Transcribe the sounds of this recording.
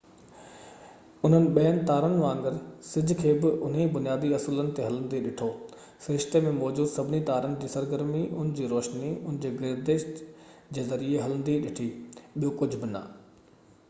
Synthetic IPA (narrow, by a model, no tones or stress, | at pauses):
ʊn̤ənɪ̆ɓɐjənɪ̆t̪aːɾənɪ̆ʋãːŋɡəɾsɪd͡ʑʱkʰeːbɪʔʊn̤ebʊnijaːd̪iɐsulənɪ̆t̪eɦɐlə̃n̆d̪iɗɪʈʰoː | sɾɪʃt̪emẽmɔːd͡ʑuːd̪sɐbʱɪnit̪aːɾənɪ̆d͡ʑiːsɐɾɡəɾmiʔʊ̰nɪd͡ʑiːɾoːʃniʊnɪ̃d͡ʑeːɡɪɾd̪eːʃtd͡ʑeːzɐɾieɦɐlə̃nd̪iɗɪʈʰiɓijokʊd͡ʑʱʊ̆bɪnɐ̰